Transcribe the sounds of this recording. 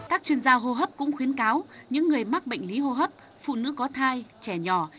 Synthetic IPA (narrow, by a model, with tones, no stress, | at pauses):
kaː˦˥k̚t͡ɕwi˧ənzaː˧ɦo˧ɦə˦˥p̚kʊ̰˧˥ŋ͡mxwi˨˦ənkaː˨˦wɲɨ̰˧˥ŋːɨ˨˩əjma˦˥k̚ɓə̰˧˨jŋ̟li˨˦ɦo˧ɦə˦˥p̚ | fṵ˧˨nɨ̰˧˥kɔ˨˦t̪ʰaː˧jt͡ɕɛ˧˩ɲɔ˧˩